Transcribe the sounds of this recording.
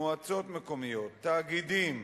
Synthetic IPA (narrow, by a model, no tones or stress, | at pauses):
oat͡so̞t̪meko̞mijo̞t̪ːaːɡid̪im